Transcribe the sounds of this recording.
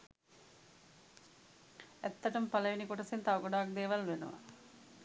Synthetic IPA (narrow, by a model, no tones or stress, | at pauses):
æt̪ːəʈəmpaləʋinikoʈəsent̪aʋɐɡoɖaːak̚d̪eːʋalʋenṵʋa̰